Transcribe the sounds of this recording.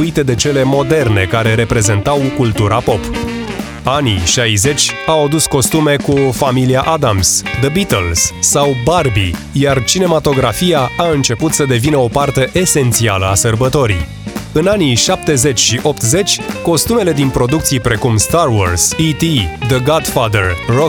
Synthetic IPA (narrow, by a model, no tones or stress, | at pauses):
uit̪e̞d̪e̞t͡ʃe̞le̞mo̞d̪e̞rne̞̰kaɾe̞ɾe̞pɾe̞ze̞nt̪awkult̪uɾapo̞p | anḭʃajze̞t͡ʃʲawad̪usko̞st̪ume̞kufamiliaʔad̪amsd̪əbit̪əlsːawbarbḭ | jart͡ʃine̞mat̪o̞ɡɾafijaaɨnt͡ʃe̞put̪səd̪e̞vinəo̞part̪e̞ʔese̞nt̪sialəasərbət̪o̞ɾḭ | ɨnaniʃap̚t̪e̞ze̞t͡ʃʲʃiʔo̞pt̪ze̞t͡ʃʲko̞st̪ume̞le̞d̪inpɾo̞d̪ukt̪sijpɾe̞kumst̪arwo̰rsit̪id̪əɡad̪fad̪ərro